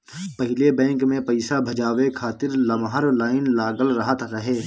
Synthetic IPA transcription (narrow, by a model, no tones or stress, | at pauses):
pɐɦɪlebɛ̃ːŋkmẽpɐɪsabʱɐd͡ʒaːʋekʰaːt̪ɪɾlɐmɦəɾlaːɪnlaːɡəlɾəɦət̪ɾəɦeː